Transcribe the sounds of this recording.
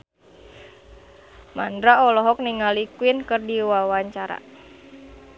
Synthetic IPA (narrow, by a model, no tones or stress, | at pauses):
mandɾaɔlɔɦɔk̚niŋalikuinkɨrdiwawaɲt͡ʃaɾa̰